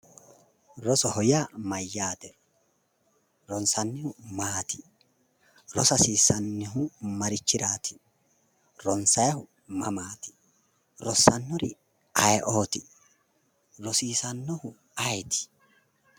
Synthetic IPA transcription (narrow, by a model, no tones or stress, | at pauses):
ɾɔsɔhɔjaːmɐjːaːt̪ɛ | ɾɔnsɐnːɪhʊmaːt̪ɪ̥ | ɾɔsɐsiːsɐnːɪɦʊmɐɾɪt͡ʃːɪɾaːt̪ʰɪ̥ | ɾɔnsɐjɐhʊ | mɐ̰maːt̪ɪ̥ | ɾɔsːɐnːɔɾɪ̰ | ɐjʔoːt̪ɪ | ɾɔsiːsɐnːɔhʊ | ɐjt̪ɪ̥